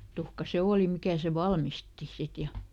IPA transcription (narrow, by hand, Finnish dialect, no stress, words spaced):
tuhkɑ se oːli mikæ seʋ̆ ʋɑlmisti sit jɑ